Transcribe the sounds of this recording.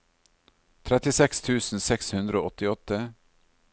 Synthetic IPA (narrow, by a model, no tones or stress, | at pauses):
t̪ʰɾɛt̪ɪsɛkst̪ʰʉːsn̩sɛkshʉnd̪ɾəoːɔt̪ɪɔt̪ːə